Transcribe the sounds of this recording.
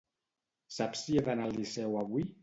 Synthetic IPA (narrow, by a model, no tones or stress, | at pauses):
sapsieðanalˠisɛwaβwi